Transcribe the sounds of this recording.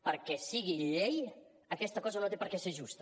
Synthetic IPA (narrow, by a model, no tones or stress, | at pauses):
pəɾkɛsiɣiʎej | ɐkɛst̪ɐkɔzanot̪epəɾkɛseʒust̪ɐ̥